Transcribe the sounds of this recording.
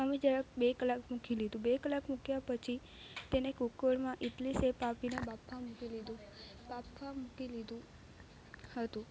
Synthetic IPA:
əmẽd͡ʒaɾebekəlakmukʰilid̪ũbekəlakmukjapət͡ʃʰi | t̪enekukoɽmãʔit̪lisepapinebapːamukilid̪ũ | bapʰːamukilid̪ũ | hət̪ũ

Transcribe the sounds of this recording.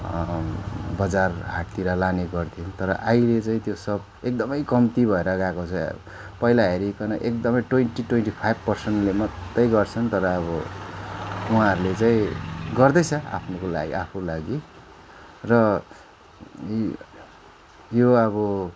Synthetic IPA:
bʌd͡zarɦaʈt̪iɾalaneɡʌrt̪ʰijont̪ʌɾʌ̰ʔajlet͡saĩt̪josʌb̚ | ek̚d̪ʌmʌjkʌmt̪ibʱʌeɾʌɡakot͡sʰʌ | pʌilaɦeɾikʌnʌʔek̚d̪ʌmʌjʈweɳʈiʈwenʈipʰajbʱpʌrsʌnʈlemʌt̪ːʌjɡʌrt͡sʰʌnt̪ʌɾʌːbʌ | uɦãʌɾulet͡saĩɡʌrd̪ʌjt͡sʰʌa̰pʰnokola̰ɡḭʔapʰulaɡi | rʌ | joʌbʌ

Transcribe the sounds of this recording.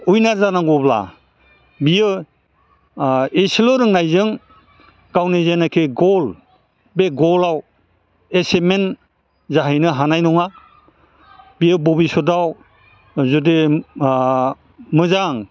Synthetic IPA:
ujnaɾzanaŋɡɔbla̰ | bijɯ | esilɯɾɯŋnajzɯŋ | kawnezenakʰeɡɔl | beɡɔlaw | esemen | zaɦajnɯɦanajnɔŋa | bijɯbɔbisɔdaw | zude | mɯzaŋ

